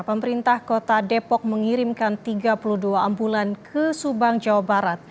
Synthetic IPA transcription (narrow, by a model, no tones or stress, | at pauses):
pəməɾint̪ahkot̪adepɔk̚məŋiɾimkant̪iɡapuluhduaːmbulankʰəsubaŋd͡ʒawabaɾat̪̚